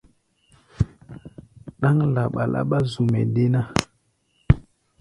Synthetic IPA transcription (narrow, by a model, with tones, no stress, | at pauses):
ɗa˦ŋla˨ɓa˨lʔa̰˦ɓa˦zu˨mɛ̰˨de˦na˦